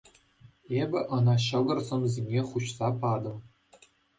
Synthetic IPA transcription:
ebʲɘ̆ʔɤ̆nɑɕɤ̆ɡɤ̆rzɤ̆mzʲenʲeχuɕsɑpɑd̪ɤ̆m

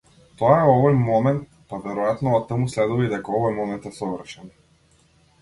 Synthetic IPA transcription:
t̪ɔaɛɔvɔjmɔmɛnt̪̚ | pavɛɾɔjat̪nɔat̪ːəmuslɛd̪uvijd̪ɛkaɔvɔjmɔmɛnt̪ɛsɔvr̩ʃɛn

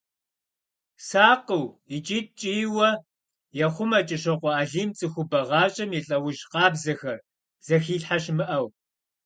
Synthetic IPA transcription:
saːqəwit͡ʃʼiːt̚t͡ʃʼiːwɐ | jɛχʷʊmɐt͡ʃʼɪʃɐqʷɔaːɮiːmt͡sʼɨxʷʊbɐʁɑːɕʼɐmiɬʼɐwʊʃqɑːbzɐxɐr | z̥ɐxiːɬħaɕmɨʔɐw

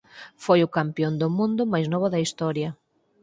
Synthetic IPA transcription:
fojʊkampjond̪ʊmũnd̪ʊmajznɔβ̞ʊðɐist̪ɔɾjɐ

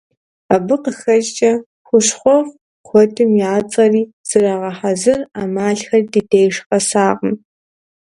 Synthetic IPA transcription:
abɨqəxɐt͡ʃt͡ʃʼɐ | xʷʊʂχʷɔʁ | qʷɔdʰʼɨmjaːt͡sʼɐriːz̥ɨraːʁɐħazɨraːmaːɬxɐrdideːjʂqɐsaːʁəm

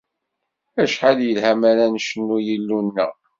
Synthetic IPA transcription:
æʃħaljəlhæmæɾænʃənːujəlːunːə̰ʁ

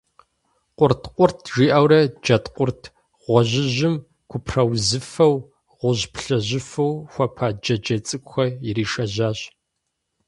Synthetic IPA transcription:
qʷʼʊrtqʷʼʊrtʰʒiːʔawɾɐd͡ʒɐtqʷʊrtʰ | ʁʷɔʑɪʑɪm | kʷʰʊpʰrɐwzɨfɐw | ʁʷʊʑpɬɐʑɪfɐwxʷɐpʰaːd͡ʒɐd͡ʒɐt͡sʼɨkʷʼʊxɐjɪriːʃɐʑaːʑ

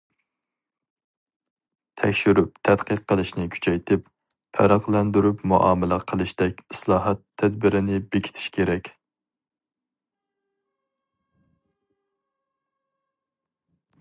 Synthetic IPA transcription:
t̪ʰɛkʲʃyɾyp̚t̪ʰɛt̪qʰəqːəlˠɨʃnɪkʲʰy̥t͡ʃʰɛjt̪ʰɪp | pʰæɾɑqlˠɛnd̪yɾypmuʔɑ̰ːmɪlæqʰəlˠɨʃd̪ɛkʲislˠɑːɦɑt̪ʰːɛd̪bɪɾɪnɪbekʲʰi̥t̪ʰi̥ʃkʲʰeɾɛkʲ

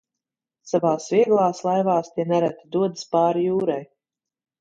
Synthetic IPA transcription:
savaːsvʲiɛɡlˠaːslˠajvaːst̪ʲiɛnaɾæt̪ʲid̪uɔd̪ispaːɾjuːɾaj

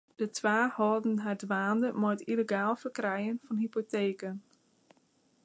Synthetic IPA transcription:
d̥ətʰʋaːhɔːdn̩ɦadʋaːndəmɔjtiləɡaːlˠfərkrɛjənfɔnɦipoteːkən

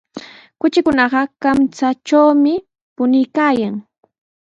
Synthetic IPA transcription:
kʊt͡ʃɪkʊnɑɢɑkamt͡sat͡ʃawmɪ | pʊnɪjkaːjaŋ

